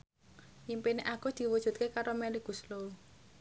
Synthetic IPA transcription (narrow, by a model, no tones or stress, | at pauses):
impineʔaɡ̥ud̪̥i̤wu̥ʒ̥ṳt̪̚kekaɾomɛliɡ̥ṳslou